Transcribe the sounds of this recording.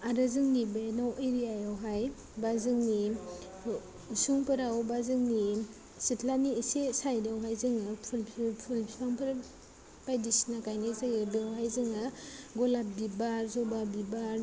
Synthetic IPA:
aɾɯzɯŋnibenawʔeɾijajawɦaj | bazɯŋni | usuŋpɯɾawbazɯŋni | sitʰlaniesesajdawɦajzɯŋɯpʰulpʰpʰulbisaŋpʰɯɾ | pajdisnakajnazɯɡebewɦajzɯŋaɡɔlap̚bibaɾzɔbabibaɾ

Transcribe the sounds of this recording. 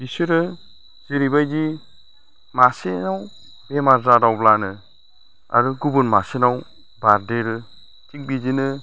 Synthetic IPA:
bisɯɾɯ | z̥iɾibajd͡ʒi | masinaw | bemaɾzadawblanɯ | a̰ɾɯɡubɯnmasinaw | baɾdeɾɯ | t͡ʃik̚bid͡ʒinɯ

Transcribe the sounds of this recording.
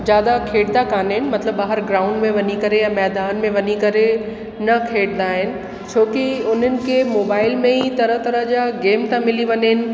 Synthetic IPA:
d͡ʑjaːd̪akʰeːɽd̪akaːnɦɪnɪ̆mɐt̪ləbaːɦɪɾɡɾaːʊ̃ɳɖmẽʋɐɲikɐɾejamɛːd̪aːnmẽʋɐɲikɐɾe | nɐkʰeːɽnd̪aːɦɪnɪ̆ | t͡ɕʰoːkiʊn̤ənɪ̆kʰemoːbaːɪlmẽɦit̪ɐɾəɦt̪ɐɾəd͡ʑaɡeːmt̪ãmɪliʋɐɲɦɪnɪ̆

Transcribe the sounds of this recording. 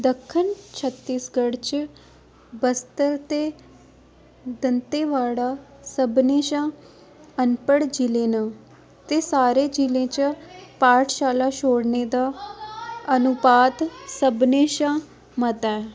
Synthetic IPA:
d̪əkʰːənt͡ʃʰət̪ːiːsɡəɽt͡ʃ | bəst̪əɾt̪eː | d̪ənt̪eːʋaːɽaːsəbnẽːʃãː | ənpəɽd͡ʒilẽːnãː | t̪eːsaːɾeːd͡ʒilẽːt͡ʃpaːʈʰʃaːlaːʃoːɽneːd̪aː | ənʊpaːt̪səbneːʃãː | mət̪ɛː

